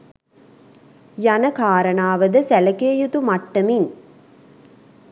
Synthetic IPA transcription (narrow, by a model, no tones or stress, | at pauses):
jɐnɐkaːɾɐɳaːʋɐd̪ɐsælɐkeːjut̪umɐʈːɐmin